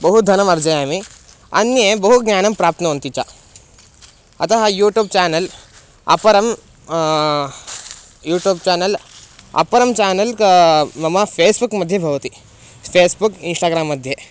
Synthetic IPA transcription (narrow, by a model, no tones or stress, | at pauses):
bəɦut̪̚d̪ʱɐnəmɐɾd͡zəjami | ɐ̰njebəɦut̪ɡnjaːnɐmpɾaːpt̪ʰnɐɦont̪it͡ɕa | ɐ̰t̪aɦajuːʈjuːb̚t͡ɕanəl | ɐ̰pəɾəm | juːʈjuːb̚t͡ɕanəlɐ̰pəɾəmt͡ɕanəlkmɐmafesbukməd̪ʱːjebʱɐʋt̪iː | fesbukinsʈaːɡɾamːəd̪ʱːje